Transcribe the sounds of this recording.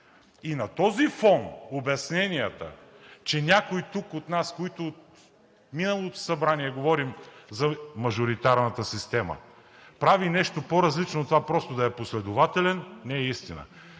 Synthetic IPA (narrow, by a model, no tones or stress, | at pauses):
inɐt̪ɔzifɔnobɐsnɛnijɐt̪ə̰ | t͡ʃɛnʲakojt̪ukot̪naskoit̪oːt̪ | minɐlˠot̪o̥sɐbɾaniɛɡovɔɾimzɐmɐʒoɾit̪aɾnɐt̪əsist̪ɛmə̰ | pɾavinɛʃt̪opoɾɐzlit͡ʃnot̪ovapɾɔst̪od̪ɐɛposlɛd̪ovat̪ɛlɛnːɛɛist̪inə̰